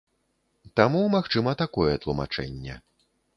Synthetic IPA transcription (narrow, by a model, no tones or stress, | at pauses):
t̪amumaxt͡ʂɨmɐt̪akɔjɛt̪lˠuma̰t͡ʂɛ̰nʲːɛ̰